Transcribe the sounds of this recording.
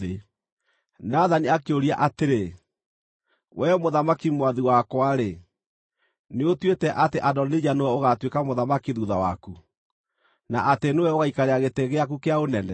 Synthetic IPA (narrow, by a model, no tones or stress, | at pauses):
e | naðaniakeoɾiaʔateɾe | wɛmoðamakimwaðiwakwaɾe | neotwetɛʔateʔadɔnid͡ʑanowɛoɣatwekamoðamakiðuðawa̰ku | naʔatenewɛoɣaikaɾeaɣeteɣeakukeaonɛnɛ